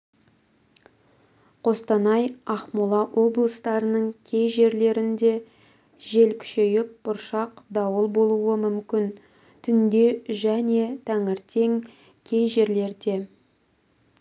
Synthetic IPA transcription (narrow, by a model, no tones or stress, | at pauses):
qʰo̞st̪ɑnɑjɑχmulˠɑʔwʔo̞blˠəst̪ɑɾənəɴkʲʰe̞jʒe̞ɾle̞ɾɪnd̪e̞ | ʒe̞lkʲʰʏ̥ʃe̞jɪp̚b̥ʊɾʃɑqd̪ɑwəlˠbo̞lˠuwəmʏmkʲɪn | t̪ʰʏnd̪e̞ʒæne̞t̪ʰæŋɪɾt̪ʰe̞ŋ | kʲʰe̞jʒe̞ɾle̞ɾd̪e̞